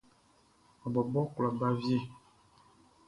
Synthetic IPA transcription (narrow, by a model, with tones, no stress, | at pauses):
ɔ˨bɔ˨bɔ˦kla˨ba˦vje˦˨